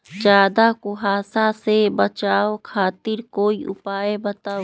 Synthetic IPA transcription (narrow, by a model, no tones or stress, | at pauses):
d͡ʒaːd̪akʊɦaːsasebət͡ʃaːokʰaːt̪ɪɾkoːiʔʊ̰paːebət̪aː